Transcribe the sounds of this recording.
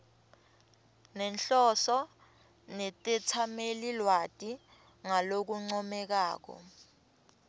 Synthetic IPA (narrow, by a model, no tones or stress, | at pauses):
nɛnɬɔsɔ | nɛtʼɛtʰamelilwatʼi | ŋalok̬uŋ͡ǀɔmɛk̬aːk̬ɔ̰